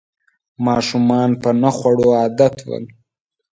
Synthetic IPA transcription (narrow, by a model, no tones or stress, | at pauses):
mɑːʃumɑnpənaxwaɽoɑːd̪at̪ʰwə̰l